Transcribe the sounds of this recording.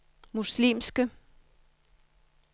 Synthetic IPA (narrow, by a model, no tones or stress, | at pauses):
muslimsɡ̥ə